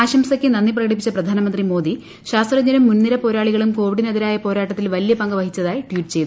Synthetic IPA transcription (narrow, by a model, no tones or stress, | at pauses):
aːɕɐmsɐkʲːɨnɐnːiprɐɣɐɽipːit͡ɕːɐprɐd̪ʱaːnɐmɐnd̪rimo̞ːd̪i | ɕaːst̪rɐɲɲɐnɐmːunːiɾɐpo̞ːɾaːɭiɣɐɭumko̞ːʋiɽineðiɾaːjɐpo̞ːɾaːʈːɐt̪ːilʋɐlijɐpɐŋɡɐʋɐɦit͡ɕːɐðaːjiʈʋiːʈːɨt͡ɕe̞jt̪